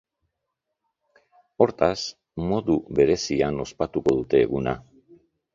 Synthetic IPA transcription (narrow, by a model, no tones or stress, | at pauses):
o̞ɾt̪as | mo̞ðuβe̞ɾe̞siano̞spat̪uko̞ðut̪e̞ːɣuna̰